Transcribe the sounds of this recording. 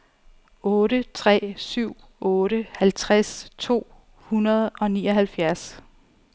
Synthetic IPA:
ɔ̽ːɾət͡sʰʁɛ̰ːsyʊ̰ | ɔ̽ːɾəhælt͡sʰʁast͡sʰo̝̰ː | hunɐð̞ˠɒ̽nḭːɒɦælfjæɐs

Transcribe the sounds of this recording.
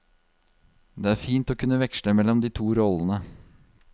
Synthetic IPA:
d̪eːæːɾfiːnt̪oːkʰʉnːəʋɛkʃɭəmɛlːɔmd̪iːt̪ʰuːɾɔlənə

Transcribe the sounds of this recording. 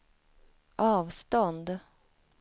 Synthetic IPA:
ʔɑːʋst̪ɔnd̪

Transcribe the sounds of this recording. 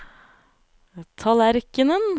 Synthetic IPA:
t̪ʰɑlæɾkənən

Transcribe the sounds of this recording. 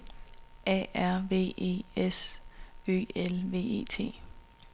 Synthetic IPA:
ʔɛ̰æɐ̰ʋe̝̰ːe̝̰ːes | ø̰ːelʋe̝̰ːe̝̰ːt͡sʰe̝̰ː

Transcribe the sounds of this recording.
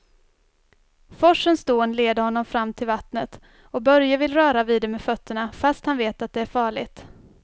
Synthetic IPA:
fɔʂənsd̪oːnleːd̪əɾhɔnːɔmfɾamːt̪ʰɪlvat̪nət̪ | ɔbœɾjavɪlɾœːɾaviːd̪ɛmeːfœt̪ʰːəɳafast̪hanveːt̪at̪̚d̪ɛæɾfɑːɭɪɡt̪

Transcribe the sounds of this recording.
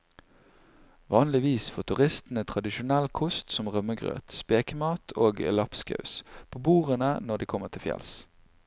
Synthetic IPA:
ʋɑːnlɪʋiːsfoːt̪ʰʉʁɪst̪n̩ət̪ʰʁɑd̪ɪʃʊnɛlkʰʊst̪sɔmʁœməɡʁø̰ːt̪speːkəmɑːt̪ʰoːɡlɑpskɑ̰ʉspʰoːbuːʁənənɔd̪iːkʰɔməʁt̪ʰɪlfjɛ̰ls

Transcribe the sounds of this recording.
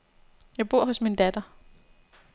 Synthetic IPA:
jɑ̈ɪb̥o̝ɐ̰ɦɔ̽smind̥æd̥ɐ

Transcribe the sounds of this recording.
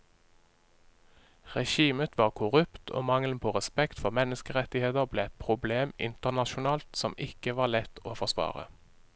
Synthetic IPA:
ʁɛʃiːmət̪ʰʋɑːʁkʰʊʁʉpt̪ʰo̰ːmɑŋln̩pʰoːʁɛspɛkt̪fɔʁmɛnəskəʁɛt̪ɪheːt̪əʁbleːɛt̪̚pʰʁʊbleːmɪ̰nt̪əʁnɑʃʊnɑːlt̪sɔmʔɪkəʋɑːlɛt̪ʰoːfɔʁsʋɑ̰ːʁə̰

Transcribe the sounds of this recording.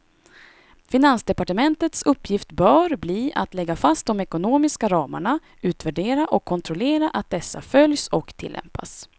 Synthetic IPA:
fɪnansd̪ɛpaʈəmɛnt̪ət̪sɵpːjɪft̪bœːɾbliːʔat̪lɛɡːafast̪̚d̪ɔmɛkʊnoːmɪskaɾɑːma̰ɳa | ʔʉ̟ːt̪væɖeːɾaʔɔkʰːɔnt̪ʰɾʊleːɾaʔat̪̚d̪ɛsːa̰fœljsɔkt̪ʰɪ̰lːɛ̰mpa̰s

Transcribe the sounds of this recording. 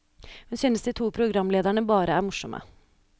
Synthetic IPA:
hʉnsyːnəsd̪iːt̪ʰuːpʰɾʊɡɾɑmleːd̪æɳəbɑːɾəæːɾmʊʂɔmʔə̰

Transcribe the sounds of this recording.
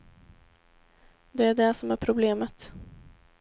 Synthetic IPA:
d̪ɛæɖɛsɔmæɾpʰɾʊbleːmət̪

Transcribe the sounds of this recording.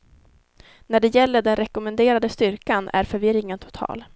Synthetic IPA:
næɖɛjɛlːəɖɛnɾɛkʊmɛnd̪eːɾad̪əst̪ʏɾkanʔæ̰ɾfœɾvɪɾɪŋənt̪ʰʊ̥t̪ʰɑ̰ːl

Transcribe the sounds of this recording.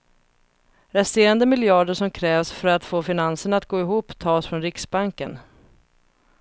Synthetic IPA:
ɾɛst̪eːɾand̪əmɪljɑːɖəʂɔmkʰɾɛːvsfœɾat̪foːfɪnansəɳat̪̚ɡoːɪɦuːpːt̪ʰɑːsfɾɔnɾɪksbaŋkən

